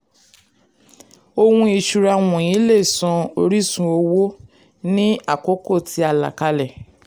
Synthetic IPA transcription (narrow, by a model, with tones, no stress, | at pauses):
o˧hũ˧i˧ʃu˧ɾa˧w̃ɔ̃˨j̃ĩ˨˦le˦˨sɔ̃˧o˧ɾi˦˨sũ˧o˧wo˦ | nĩ˦a˦˨ko˨˦ko˦˨ti˧˦a˧˨la̰˨ka˧lɛ˨